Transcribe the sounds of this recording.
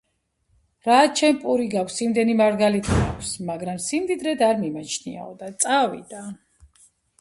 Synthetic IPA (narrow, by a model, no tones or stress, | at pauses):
ɾat͡ʃʰɛnpʼuɾiɡakʷʰsimd̪ɛnimaɾɡalit̪ʰia̰kʷʰsmaɡɾamsimd̪id̪ɾɛd̪aɾmimat͡ʃʰnḭa̰ɔ̰d̪at̪sʼavḭd̪a